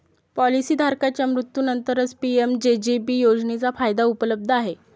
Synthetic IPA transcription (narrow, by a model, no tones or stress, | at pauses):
pɔlisiːd̪ʱaɾkat͡ɕjamɾut̪junənt̪əɾət͡spiemd͡ʑed͡ʑipiːjod͡znet͡safajd̪aupələb̚d̪ʱəaɦe